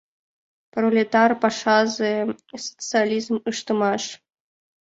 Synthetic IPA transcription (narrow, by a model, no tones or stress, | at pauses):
prolʲet̪ɑrpɑʂɑzɨso̥t͡sɨalʲizmɨʃt̪ɨmɑʂ